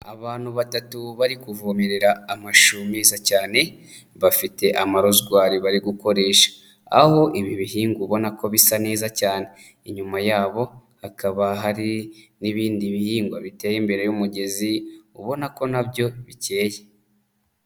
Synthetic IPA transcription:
a̰βaːn̥huβatatuβaɾikuvumiɾeɾaːmaʃumizacaːne̞ | βafite̞ʔamaɾo̞zɡwaːɾiβaɾiɡuko̞ɾe̞ːʃḁ | a̰ho̞ʔiβiβiɦiːŋɡuβo̞nako̞βisane̞ːzacaːne̞ | iɲumajaːβo̞hakʰaβaɦaɾi | niβiːndiβihiːŋɡwaβite̞ːjimbeɾejumuɟe̞ziuβo̞nako̞nabjo̞βice̞ːje

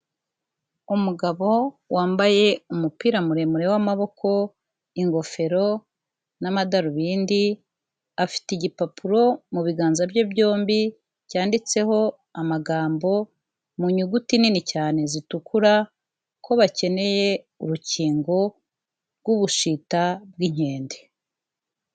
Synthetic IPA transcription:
umuɡaβo̞ | waːmbaje̞umupiːɾamuɾe̞muɾe̞wamaβo̞kʰo̞ | iŋɡo̞fe̞ɾo̞ | namadaɾuβiːndi | afi̥tiɟipapʰuɾo̞muβiɡaːnzabɟobɟo̞ːmbi | caːndit͡se̞ho̞ | amaɡaːmbo̞ | muɲuɡutininicaːne̞zitukʰuɾa | kʰo̞βace̞ne̞je̞ | uɾuciːŋɡo̞ | ɾɡuβuʃitab̚ɡiɲ̥e̞ːnde

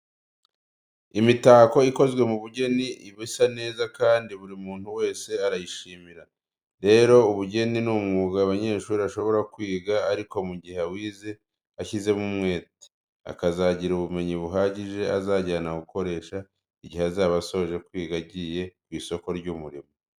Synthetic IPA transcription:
imitaːko̞iko̞zɡwe̞muβuɟe̞niiβisane̞ːzakaːndiβuɾiumuːn̥huwe̞ːse̞aɾajiʃiːmiɾa | ɾe̞ɾo̞uβuɟe̞ninuːmŋuːɡaːβaɲe̞ːʃuːɾiβaʃo̞βo̞ɾakwiːɡaaɾiko̞muɟihawiːze | açize̞mumŋe̞ːti̥ | a̰kazaɟiɾuβume̞ɲiβuɦaːɟiʒe̞azaːɟaːnaɡuko̞ɾe̞ːʃa | iɟiheazaːβaso̞oʒe̞kwiːɡaɟije̞kwiːso̞ko̞ɾɟumuɾimo

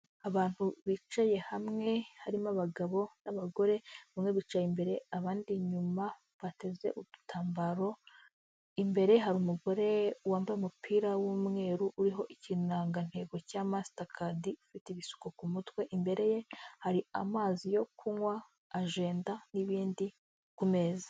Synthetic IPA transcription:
aβaːn̥huβit͡ʃaje̞hamŋe̞haɾimaβaɡaβo̞naβaɡo̞ɾe̞βamŋe̞βit͡ʃajimbe̞ɾe̞aβaːndiɲuma | βate̞ze̞̰ʔuutʰaːmbaɾo̞ | imbe̞ɾe̞ɦaɾumuɡo̞ɾe̞waːmbajumupʰiːɾawumŋe̞ːɾuʔuɾiɦo̞ʔicinaːŋɡan̥he̞ːɡo̞caːmasi̥takʰadiufiteiβisu̥kokumutwe̞ʔimbe̞ɾe̞je̞haɾia̰maːzijo̞kʰuŋwaː | ʒe̞ːndaniβiːndi | kume̞zḁ

